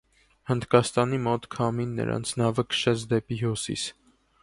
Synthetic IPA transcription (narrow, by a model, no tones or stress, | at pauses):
hənd̪kɑst̪ɑnimɔt̪kʰɑminːə̰ɾɑ̰nt͡sʰnɑvəkʰə̥ʃɛt͡sʰd̪ɛpiɦusḭs